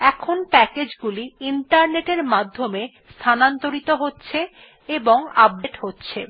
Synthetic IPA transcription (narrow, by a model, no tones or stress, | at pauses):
ɛkʰonpɛked͡ʑɡuliiɳʈaɾneʈeɾmad̪ʱːome | st̪ʰanant̪oɾit̪oɦotːɕʰe | eboŋab̚ɖeʈhotːɕʰe